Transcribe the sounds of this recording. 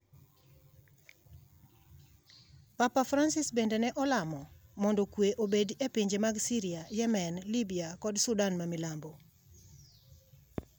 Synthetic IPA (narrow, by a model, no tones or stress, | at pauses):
papafɾansɪsbendenɛʔɔlamɔmɔndɔkweʔobedepiɲd͡ʒemaɡsiɾiajɛmɛnlibiakɔdsʊdanmamilambo